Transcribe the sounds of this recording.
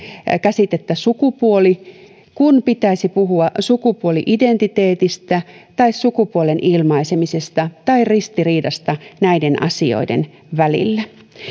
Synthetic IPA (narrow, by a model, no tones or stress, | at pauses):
kæsit̪et̪ːæsukupuoli | kunpit̪æisipuɦuɑsukupuoliʔident̪it̪e̞ːt̪ist̪æt̪ɑissukupuolenʔilmɑisemisest̪ɑt̪ɑirist̪iriːdɑst̪ɑnæidenʔɑ̰sio̰idḛn | ʋælḭlːæ